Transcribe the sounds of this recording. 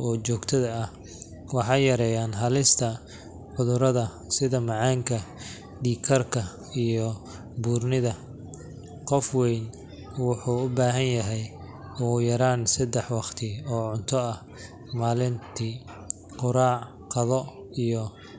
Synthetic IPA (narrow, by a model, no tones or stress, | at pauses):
ɔːt͡ʃɔːɡt̪ʰɐðɐːh | wɑħɑjɐɾɛːjaːnɦɐlɪst̪ʰɐ | ħʊðʊɾɐðɐ | sɪðɐmɑʕɑːŋkʰɐ | ɖiːkʰɐrkʰɐ | ijɔ | buːrnɪðɐ | qɔfwɛjn | wʊħuːʊbaːɦɐnjɐɦɛj | ɔːjɐɾaːnsɐd̪ɛħwɑqt̪ʰɪɔːʕʊnt̪ʰɔɐh | maːlɪnt̪ʰiː | qʊɾaːʕ | qɑðɔ | ijɔ